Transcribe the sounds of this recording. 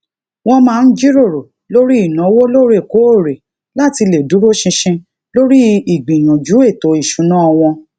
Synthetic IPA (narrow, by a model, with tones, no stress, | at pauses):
w̃ɔ̃˧mãː˦˧n̩˦d͡ʒi˦ɾo˦˨ɾo˨ | lo˦ɾi˦i˦˨nɔ̃˨˦wo˦lo˦ɾe˦˨ko˨˦o˦˨ɾe˨ | la˦ti˧le˨du˨˦ɾo˦ʃĩ˧ʃĩ˧ | lo˦ɾi˦i˦˨ɡ͡bĩ˨j̃ũ˨d͡ʒu˨˦e˦˨to˨˦i˦˨ʃu˨˦nãː˦ɔ˧w̃ɔ̃˧